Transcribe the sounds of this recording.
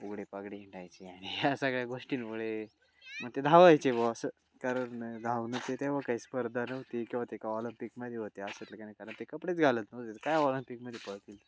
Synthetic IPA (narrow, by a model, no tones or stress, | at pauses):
uɡɽepaɡɽiɦiɳʈajt͡ɕiaɽ̃iɦasəɡɭjaɡoʂʈiːnpuɭe | məɡt̪ed̪ʱaʋajt͡ɕeboəsə | kaɾəɳd̪ʱaʋnət̪et̪eʋakaispəɾd̪ʱanəwt̪ikĩw̃ʋat̪ekaɔlimpikməd̪ʱjeɦot̪easət̪ləkanəkaɾəɳt̪ekəpɽet͡sɡʱaləːt̪nət̪et̪əkajɔləmpikməd̪ʱjepəɭt̪il